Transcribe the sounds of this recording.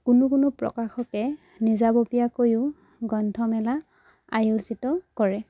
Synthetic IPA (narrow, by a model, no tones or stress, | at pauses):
kʊnʊkʊnʊpɹɔ̰kaxɔkɛ | nizabopijakojʊ | ɡɔntʰɔmɛla | a̰julsitɔkɔɹɛ